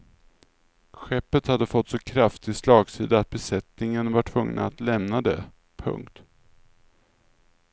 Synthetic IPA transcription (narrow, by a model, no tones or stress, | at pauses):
ɧɛpːət̪had̪ːəfɔt̪ːsɔkʰɾaft̪ɪslɑːɡsiːd̪aːt̪̚bɛsɛt̪nɪŋənvaʈʰvɵŋna̰at̪lɛmnad̪ɛ | pʰɵ̰ŋkt̪